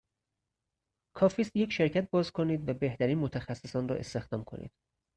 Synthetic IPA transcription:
kʰɒːfiːst̪je̞cʰʃe̞ɾcʰæt̪̚bɒːzkʰoniːd̪væbe̞ht̪æɾiːnmot̪ʰæxæsːesɒːnrɒ̰ːʔe̞̰st̪e̞xd̪ɒːmkʰo̞̰nḭːd̪̥

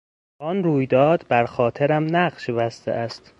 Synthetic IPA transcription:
ɒnruːjd̪ɒːd̪bæɾxɒːt̪ʰeɾæmnæɢʃebæst̪ʰḛʔæst̪

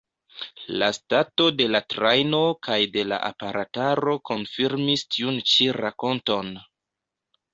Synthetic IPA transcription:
lastato̞de̞latɾajno̞kʰajde̞la̰ʔa̰paɾataɾo̞ko̞nfiɾmistʰiunt͡ʃiɾako̞nto̞n

